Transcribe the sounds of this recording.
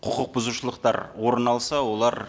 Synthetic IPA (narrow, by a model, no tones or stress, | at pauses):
qʰʊqəq̚bʊzuʃəlˠəqt̪ɑ̰ɾwo̞ɾənɑlˠsɑwo̞lˠɑɾ